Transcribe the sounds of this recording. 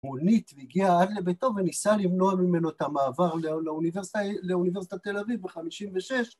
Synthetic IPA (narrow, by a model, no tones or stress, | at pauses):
munit̪veiɡiaadle̞beto̞venisalivno̞amime̞noet̪amaːvaʁleleuniveʁstaleunives̬i̥t̪at̪e̞lavivbeχamiʃimveʃe̞ʃ